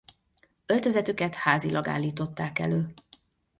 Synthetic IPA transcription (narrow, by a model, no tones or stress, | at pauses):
ølt̪øzɛt̪ykɛt̪haːzilʔɒɡa̰ːlːiːt̪o̞t̪ːaːkɛ̰løː